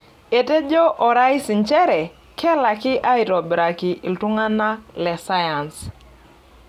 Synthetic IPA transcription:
e˨te˦d͡ʒɔ˦ʔɔ˨ɾa˦i˦sɪ˨nt͡ʃɛ˦ɾɛ˨ | kʰɛ˦la˨kɪ˦ʔa˦i˨ɾɔ˨bɾa˨ki˨ʔɪ˨ltʊ˦ŋa˦na˦lɛ˨sa˦ja˨ns

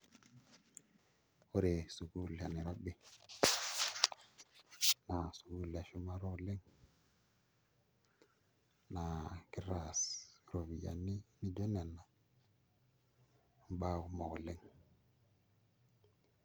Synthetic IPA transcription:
o˦ɾe˨su˨ɡu˦la˨ni˨ɾa˦bi˨ | na˨su˨ɡu˦la˨ʃu˦ma˦ɾo˦˨le˦ŋ | na˨ki˦ɾa˨sɾo˨vi˨ja̰˨ni˦ni˦d͡ʒo˦ne˨nːa˨ | ba˦˨ku˦mo˨ɡo˨le˦ŋ

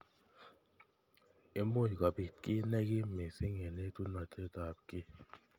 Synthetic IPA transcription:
e˦mo˦˨jka˨pi˨tkʼi˦nɛ˦ki˦me˨si˦ŋɛ˨nɛ˦tu˦na˨tʰe˦ta˨p̚kʼɪ˦

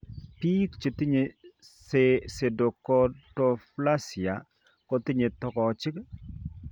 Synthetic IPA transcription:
pi˦kt͡ʃe˨ti˦ɲe˨ | sese˨do˨kɔ˦tɔ˨fla˦si˨a˨ | kɔ˦ti˦ɲe˨tɔ˨kɔ˨t͡ʃɪ˦k

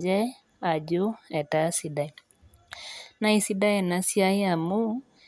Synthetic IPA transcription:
d͡ʒɛ˦ | a˨d͡ʒo˦ɛ˨ta˦si˨da˨ | na˦i˨si˦da˦ɛ˨na˨si˦a˦ja˨mu˦

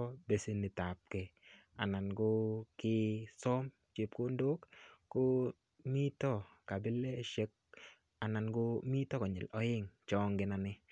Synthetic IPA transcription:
be˨si˨nɪ˨ta˨p̚ke˨ | a˨na˨nɡʊ˦kɪ˦sɔ˦m | t͡ʃe˨p̚ko˦ndo˦kkːʊ˦ | mi˦tɔ˦ka˨bɪ˦le˦ʃe˦k̚ | a˨na˨nɡʊ˦mi˦tɔ˦kɔ˨ɲɪ̰˨lɔ˨˦ɪ˦ŋt͡ʃɔ˦ŋɡɪ˨˦na˨nɪ˦

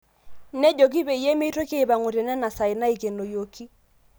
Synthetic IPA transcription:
nɛ˦d͡ʒo˨k̬i˦be˨i˨jɛ˦me˦i˦to˦keː˦˨ba˨ŋo˨ɾe˨nɛ˦na˨sa˨ɪ˨na˦i˨ke˨no˨jo˨ki˦

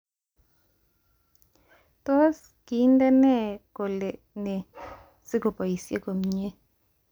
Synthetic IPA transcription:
t̪ɔ˦s | ki˨˦ndɛ˦nɛ˦˨ko˨le˨ | ne˨ | sɪ˦ko˨pɔ˨i˨sje˦ko˨mɲe˦

